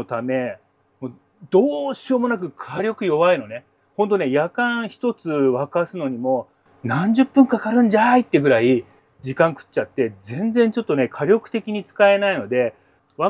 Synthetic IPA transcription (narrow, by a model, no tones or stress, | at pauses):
ot̪ame̞ | moː | d̪̥o̞ːɕio̞ːmo̞nak̬ɯ̟kʰaɾʲjo̞kɯ̟jo̞βaino̞ne̞ | hõ̞nt̪o̞ne̞jakãɰ̃çi̥t̪o̞t͡sɨβakasɨno̞ɲ̟imo̞ | nãɲ̟d͡ʑɨpːɯ̟̃ŋkakaɾɯ̟̃ɲ̟d͡ʑait̪ːe̞ɡɯ̟ɾai | d͡ʑikãŋkɯ̟̥t͡ɕːat̪ːe̞d͡zẽ̞nd͡zẽ̞ɲt͡ɕo̞t̪ːo̞ne̞kʰaɾʲo̞kɯ̟̥t̪e̞kʲiɲ̟it͡sɨ̥kae̞naino̞d̪e̞ | βa